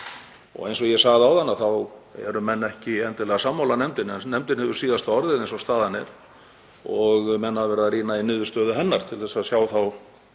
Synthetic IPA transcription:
ɔ̰ɣejnsɔɣjɛsaːɣðawθanːaθawɛ̰ɾʏmɛnːɛhcɪɛnt̪ɪlɛɣasamːawlanɛmt̪ɪnɛnnɛmt̪ɪnhɛvʏɾsiːðast̪aɔɾðɪðejnsɔst̪aːðanɪɾ̥ | ɔɣmɛnːhavɛːɾɪðariːnainʏːðʏst̪œːðʏɦɛnːaɾ̥t̪ʰɪlθɛsaðsjaːwθaw

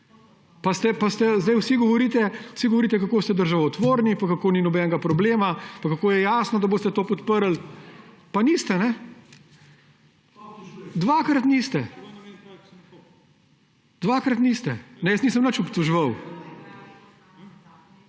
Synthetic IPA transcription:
past̪ɛpast̪ɛzd̪ɐjwsiɡɔʋɔɾiːt̪ɛwsiɡɔʋoɾiːt̪ɛkakoːst̪ɛd̪əɾʒaʋɔt̪ʋoːɾnipakakoːninɔbɛːnɛɡapɾɔbleːmapakakoːjɛjaːsnɔd̪ɐboːst̪ɛt̪oːpɔt̪pəɾl | paniːst̪ɛnɛ | d̪ʋaːkɾɐt̪niːst̪ɛ | d̪ʋakɾɐt̪nist̪ɛnɛjəsniːsəmnət͡ʃɔpt̪ɔʒʋɐw

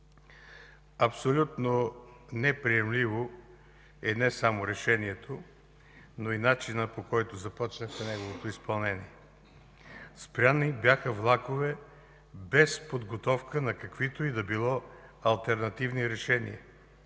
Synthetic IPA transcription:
ɐpsolʲut̪nonɛpɾiɛmlivo | ɛnɛsamoɾɛʃɛniɛt̪ʰo | noinat͡ʃinəpokɔjt̪ʊzɐpɔt͡ʃnəxmɛnɛɡovot̪oispɐlˠnɛniɛ | spɾʲanibʲjaxəvlˠakovɛ | bɛspod̪ɡot̪ɔfkənɐkɐkv̥it̪oid̪ɐbilˠɔɐlˠt̪ɛɾnɐt̪ivniɾɛʃɛnḭə

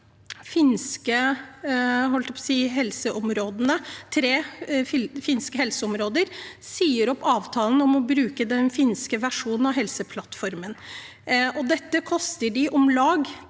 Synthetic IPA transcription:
fɪnskə | ɦɔlt̪əpʰɔsiːɦɛlsəʔɔmɾoːd̪nət̪ʰɾeːɪfɪnskəhɛlsəɔmɾoːd̪əɾsiːəɾɔpːɑːʋt̪ʰɑːln̩ɔmɔbɾʉːkəd̪ɛnfɪnskəʋæʂuːnn̩ɑʋɦɛlsəpʰlɑt̪fɔɾmən | ɔd̪ɛt̪ːəkʰɔst̪əɖɪʔɔmlɑːɡ

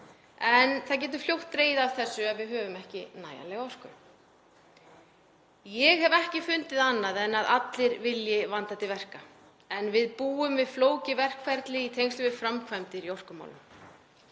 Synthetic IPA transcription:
ɛnθaðc̬ɛːt̪̬ʏ̥fl̥jowht̪ːɾeːjðav̥θɛsːʏɛvɪðɦœːvʏmɛhcɪ̰na̰ːja̰lɛɣɔr̥kʏ̰ | jɛɣhɛvɛhcɪfʏnt̪ɪðanːaðɛnːaðʔat̪lɪɾvɪljɪvant̪at̪ʰɪlvɛr̥ka | ɛnvɪðpuːʏmvɪðfloːwcɪvɛr̥kʰfɛɾt̪lɪit̪ʰejŋst̪ʏvɪfɾamkʰvɛmt̪ɪɾjor̥kʏma̰wlʏm

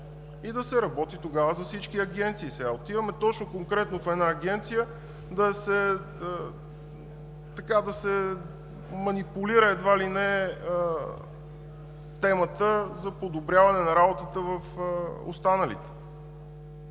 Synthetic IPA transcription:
id̪ɐsɛɾɐbɔt̪it̪oɡavəzɐfsit͡ʃkiɐɡɛnt̪siːsɛɡaot̪ivɐmɛt̪ɔt͡ʃnokoŋkɾɛt̪nofɛd̪naːɡɛnt̪sijə | d̪ɐsɛ | ə | t̪ɐkad̪ɐsɛ | mɐnipuliɾəɛd̪valinɛə | t̪ɛmət̪əzɐpod̪obɾjavɐnɛnɐɾabot̪ət̪əvəfəo̰st̪anəlḭt̪ɛ̥

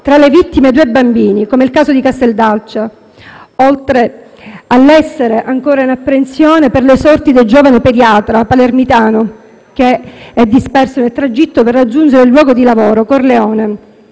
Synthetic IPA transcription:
t̪ɾalevit̪ːimed̪uːebːambiːnikomeilkaːzod̪ikast̪eld̪alt͡ʃa | olt̪ɾe | alːɛsːeɾeʔaŋkoːɾainapːɾensjoːneperlesɔrt̪id̪eld͡ʒoːvaneped̪jaːt̪ɾapalermit̪aːno | k̟eɛd̪ːispɛrsonelt̪ɾad͡ʒit̪ːoperːad͡ʒːund͡ʒeɾeilːwɔːɡod̪ilavoːɾokorleoːne

